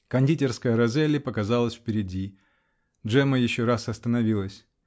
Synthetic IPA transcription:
kɐnʲdʲitʲɪrskəjəɾɐzɛlʲɪpəkɐzalˠəsʲfpʲɪɾʲɪdʲi | dʐɛməjɪɕːoɾasɐst̪ənɐvʲilˠəsʲ

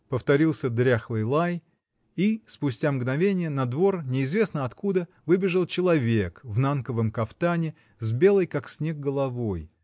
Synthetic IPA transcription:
pəft̪ɐɾʲilˠsʲəd̪ɾʲaxlˠɨjlˠaj | ispʊsʲtʲamɡnɐvʲenʲɪjənɐd̪vo̞rnʲɪːzvʲe̞snəɐt̪kud̪ə | vɨbʲɪʐɨlˠt͡ɕɪlˠɐvʲekvnankəvəmkɐft̪anʲɪ | zbʲe̞lˠəjkaksʲnʲe̞ɡ̚ɡəlˠɐvo̞j

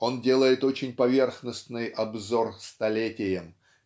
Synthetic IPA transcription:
o̞ndʲe̞lˠəjɪt̪o̞t͡ɕɪnʲpɐvʲe̞rxnəsnɨjɐbzo̞rst̪ɐlʲetʲɪjəm

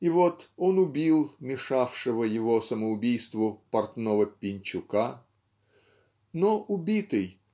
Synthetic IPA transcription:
ɪvot̪onʊbʲilˠmʲɪʂafʂɨvəjɪvosəməʊbʲijst̪vʊpɐrt̪novəpʲɪnʲt͡ɕʊka | noʔʊbʲit̪ɨj

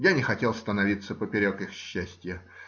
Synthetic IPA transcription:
janʲɪxɐtʲelˠst̪ənɐvʲit̪səpəpʲɪɾʲokixɕːæsʲtʲjə

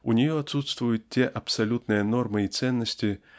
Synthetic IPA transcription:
ʊnʲɪjoɐt̪sut̪st̪vʊjʊt̪̚tʲːeʔɐpsɐlʲut̪nɨjəno̞rmɨit̪sɛnːəsʲtʲɪ

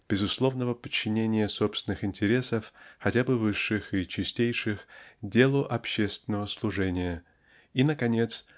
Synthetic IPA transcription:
b̥ʲɪzʊslˠo̞vnəvəpət͡ɕːɪnʲenʲɪjəso̞pst̪ʲɪnɨxɪnʲtʲɪɾʲe̞səfxɐtʲabɨvɨʂːɨxit͡ɕɪsʲtʲejʂɨxdʲe̞lˠʊʔɐpɕːe̞st̪vʲɪnːəvəslˠʊʐɛnʲɪjə | inəkɐnʲe̞t̪s

